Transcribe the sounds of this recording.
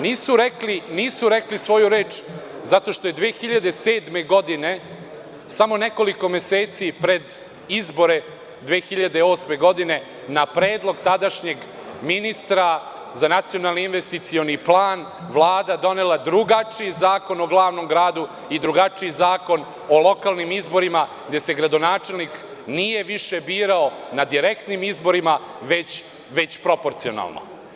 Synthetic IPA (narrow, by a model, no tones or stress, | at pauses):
niːsuɾekliniːsuɾeklisʋo̞juɾe̞ːt͡ʃ | zat̪o̞ʃt̪o̞jed̪ʋeːxiʎad̪eseːd̪me̞ɡo̞d̪ine | samo̞neko̞liko̞me̞seːt̪sipɾe̞d̪ | izbo̞ɾe̞ | d̪ʋeːxiʎad̪eo̞ːsme̞ɡo̞d̪ine̞ | napɾeːd̪lˠo̞ɡt̪ad̪aʃɲe̞ɡ | minist̪ɾa | zanat̪sijo̞nalˠniinʋest̪it̪sio̞niplˠaːn | ʋlˠaːd̪ad̪o̞ne̞lˠad̪ɾuɡat͡ʂiizaːko̞no̞ɡlˠaːʋno̞mɡɾaːd̪u | id̪ɾuɡat͡ʃijizaːko̞n | olˠo̞kalˠnimizbo̞ɾima | ɡd̪e̞se̞ɡɾad̪o̞naːt͡ʃe̞lˠnik | nije̞ʋiʃe̞biːɾaonad̪iɾe̞kt̪nimizbo̞ɾimaʋe̞t͡ɕ | ʋe̞t͡ɕpɾo̞po̞ɾt̪sio̞̰na̰lˠno̰